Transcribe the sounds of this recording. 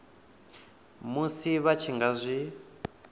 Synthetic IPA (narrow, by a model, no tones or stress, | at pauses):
musiβat͡ʃʰiŋɡazʷi